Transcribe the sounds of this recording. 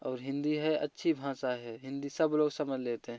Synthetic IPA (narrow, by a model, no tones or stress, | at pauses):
ɔːɾɦɪ̃nd̪iɦɛə̰tːʃʰibʱãːsaɦɛɦɪ̃nd̪isəbloːɡsəməd͡ʒleːt̪eɦɛ̃